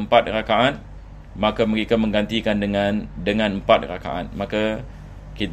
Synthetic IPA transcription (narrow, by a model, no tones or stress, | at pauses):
əmpat̪̚rakaan | mãkaməɾekamə̃ŋɡant̪ikandəŋãndəŋãnəmpat̪̚raka̰ʔa̰nmãka | kit̪